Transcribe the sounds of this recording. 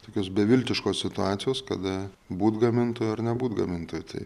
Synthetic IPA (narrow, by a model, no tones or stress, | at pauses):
t̪oːkʲoːsbʲɛʋʲɪlʲt̪ʲɪʃkoːssʲɪt̪ʊɑːt̪sʲɪjoːskɐd̪ɐ | buːt̪ɡɐmʲɪnt̪oːjʊɐɾnʲɛbuːt̪ɡɐmʲɪnt̪oːjʊt̪ɐ̰ɪ